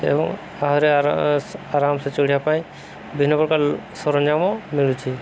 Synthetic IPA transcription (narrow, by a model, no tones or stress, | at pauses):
ɛ̰bɔ̰ŋ | aɦɔɾɛ | aɾamsɛt͡ʃoɽ̤ijapaj̃ | bʱinɔpɔɾkalsɔɾɔnd͡ʒamɔmiɭut͡ʃʰi